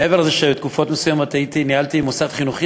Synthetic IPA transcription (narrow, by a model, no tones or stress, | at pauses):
eveʁazeʃebet̪kufot̪mesujamot̪ajit̪inihalt̪imusat̪χinuχi